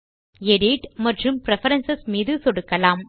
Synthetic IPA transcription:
ɛɽiʈmɐʈrɯmpɪɾɛfɐɾɐnsɐsmiːðɯsɔɽɯkːɐlaːm

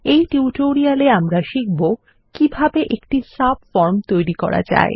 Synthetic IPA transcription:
ejʈuuʈoɾialeamɾaʃik̚bo | kibʱabeʔekʈisabfɔɾmt̪ojɾikɔ̰ɾa̰d͡ʑa̰e

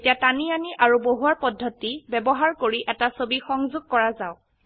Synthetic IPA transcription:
tiatanianiʔaɹuboɦuaɹpɔdʱːɔtibɛbɔɦaɹkoɹiʔɛtasobixɔŋzuɡ̚kɔɹazaʊ

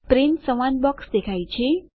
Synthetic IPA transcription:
pɾinsəʋanbɔksd̪ekʰajt͡ʃʰe

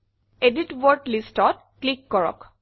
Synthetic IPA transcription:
ediʈwɔɹʈlistɔt̚ | klikːɔɹɔ̰k

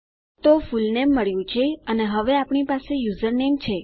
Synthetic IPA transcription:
t̪ofulnemːəɭjũt͡ʃʰeəneɦəʋeapɳipasejuzəɾnemt͡ʃʰe

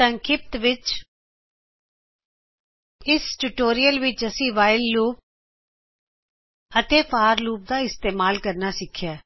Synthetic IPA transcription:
ə̃ŋkʰɪp̚t̪ʋɪt͡ʃ | ɪsʈuʈoːɾijəlʋɪt͡ʃəsĩːʋaːɪlːuːp̚ | ət̪eːpʰaːɾluːp̚d̪aːɪst̪eːmaːlkəɾnasɪkʰjaː

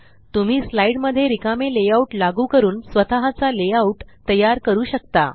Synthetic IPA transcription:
t̪um̤iːslaiɽməd̪ʱːjeɾikamelejauʈlaɡuːkəɾuːnsʋət̪aɦat͡saleauʈt̪ːəjaɾkəɾuːɕək̚t̪a̰

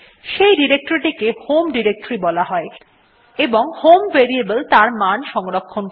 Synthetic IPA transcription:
ʃejɖiɾek̚ʈoɾiʈikehomɖiɾek̚ʈoɾibɔlaɦɔe | eboŋhomveɾiebəlt̪aɾmanʃɔŋɾokʰːon

